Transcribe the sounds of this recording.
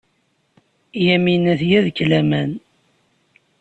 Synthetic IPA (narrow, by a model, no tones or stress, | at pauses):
jæminæθjæðkːlæmæn